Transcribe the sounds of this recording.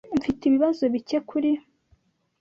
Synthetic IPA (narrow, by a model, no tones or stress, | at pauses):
ɱfitiβiβazo̞βice̞kʰuɾi